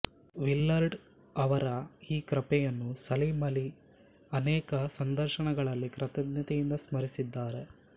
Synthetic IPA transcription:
ʋilːɐɾɖ | ɐʋɐɾɐiːkɾɐpɛjɐnːusɐlimɐli | ɐnɛːkɐsɐnd̪ʱɐɾʃɐɳɐɡɐɭɐlːikɾɐt̪ɐd̪nɐt̪ijind̪ɐsmɐɾisid̪ːaːɾe̞

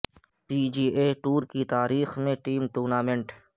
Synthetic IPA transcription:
piːd͡ʒiːʔeʈuːɾkit̪aːɾiːxmẽʈiːmʈuːɾnaːmẽɳʈ

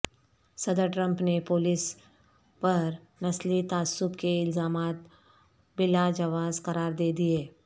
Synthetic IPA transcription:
sɐd̪əɾʈɾə̃mpnepoːlɪs | pɐɾ | nɐslit̪aːsːʊbkeɪlzaːmaːt̪ | bɪlad͡ʒɐʋaːzqɐɾaːɾd̪eːd̪ieː

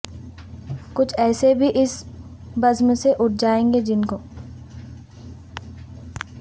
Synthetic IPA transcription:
kʊt͡ʃʰɛːsebʱiʔɪsbɐzmseʔʊʈ̚ʰd͡ʒaːẽːŋɡed͡ʒɪnkoː

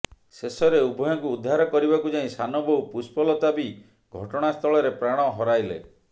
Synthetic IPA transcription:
sesɔɾeubʱɔjɔŋkuːd̪ʱːaɾɔkɔɾibakud͡ʒaɦĩsanɔbɔupuspɔlɔt̪abi | ɡʱɔʈɔɽ̃ast̪ʰɔɭɔɾepɾaɽ̃ɔɦɔɾajlḛ

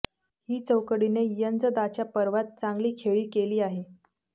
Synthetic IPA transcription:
hiːt͡səwkəɽinejənd͡zəd̪at͡ɕjapəɾʋat̪̚t͡saŋɡliːkʰeɭiːkeliːaɦe

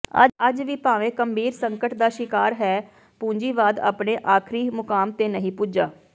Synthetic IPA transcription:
ə̰əd͡ʒʋiːpaːʋẽːkəmbʱiːɾsəŋkəʈd̪aːʃɪkaːɾɦɛː | pũːɲd͡ʒiːʋaːd̪a̰ːpɳeːʔaːkʰɾiːmʊkaːmt̪eːnəɦĩːpʊːd͡ʒaː

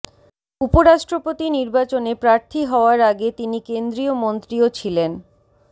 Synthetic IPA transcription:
upoɾaʃʈɾopot̪iniɾbat͡ɕonepɾaɾt̪ʰiɦɔoaɾaɡet̪inikend̪ɾiomont̪ɾiot͡ɕʰilen

